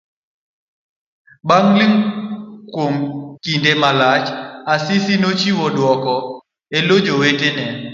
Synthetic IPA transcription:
baŋlɪŋkwomkindemalat͡ʃasɪsinot͡ʃiwɔdwɔkɔ | elod͡ʒowetenɛ

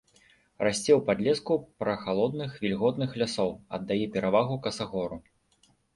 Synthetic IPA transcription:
rasʲt͡sʲɛwpad̪lʲɛskupɾɐxalˠɔd̪nɨxvʲilʲɣɔd̪nɨxlʲasɔwɐ̰d̪ːajɛpʲɛɾavaɣukɐsaɣɔɾu

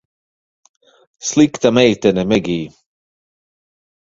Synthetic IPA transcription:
slikt̪amɛjt̪ɛnɛmɛɡiː

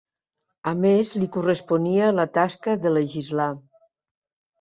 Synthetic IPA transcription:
əmezlikurəspuniələt̪askəðələʒizla

